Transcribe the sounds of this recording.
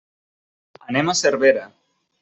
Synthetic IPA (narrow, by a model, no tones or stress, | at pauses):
anemaseɾβeɾa